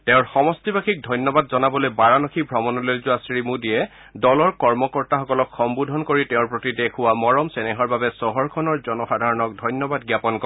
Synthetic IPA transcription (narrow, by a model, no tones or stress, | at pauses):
tɛʊ̃ɹxɔmɔstibakʰik̚dʱɔjnjɔbadzɔnabɔlojbaɹanɔkʰibʱɹɔmɔnɔlojzʊasɹimudijɛ | dɔlɔɹkɔɹmɔkɔɹtaxɔkɔlɔkxɔmbudʱɔnkoɹitɛ̃ʊ̃ɹpɹotidekʰʊwamɔɹɔmsɛnɛɦɔɹbabɛsɔɦɔɹkʰɔnɔɹzɔnɔxadʱaɹɔnɔk̚dʱɔjnjɔbadɡjapɔnkɔ